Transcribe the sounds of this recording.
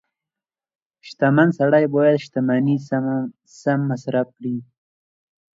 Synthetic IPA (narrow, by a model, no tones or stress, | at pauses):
ʃt̪amansaɽajbojad̪ʃt̪amani | samːasɾaf̚kɽi